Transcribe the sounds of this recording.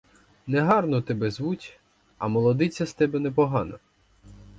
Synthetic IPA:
nɛɦɑrnɔt̪ɛbɛzʋutʲ | ɐmɔlˠɔd̪ɪt͡sʲːɐst̪ɛbɛnɛpɔɦɑnɔ̰

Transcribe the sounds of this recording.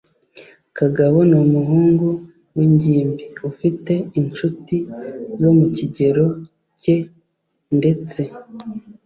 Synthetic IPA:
kaɡaβonomuɦuːŋɡu | wiɲɟiːmbiufite̞int͡ʃutizo̞muciɟe̞ɾo̞ | ce̞ | nde̞t͡se̞

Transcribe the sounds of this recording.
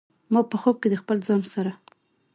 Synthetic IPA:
mɑpəxob̚ked̪əxpəlzɑnsaɾa

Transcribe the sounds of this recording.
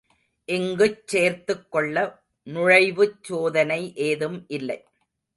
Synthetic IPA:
ʔɪŋɡɯt͡ʃːeːɾt̪ɯkːɔɭːɐ | nʊɻɐɪʋɯt͡ʃːoːðɐnɐɪʔeːðɯmʔɪlːɐɪ

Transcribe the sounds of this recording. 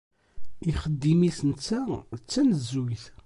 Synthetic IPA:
iχəd̪ːimisnt͡sːæt͡sːænəzwiθ

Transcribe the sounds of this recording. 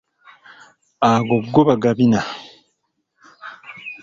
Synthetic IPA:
aːɡoɡːoβaɡaβina

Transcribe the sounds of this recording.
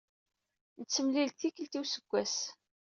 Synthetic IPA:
nət͡sːəmlilθikəlt̪iwsəɡʷːæs

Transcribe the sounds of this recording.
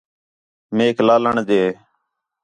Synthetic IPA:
meːklaːləɳd̪eː

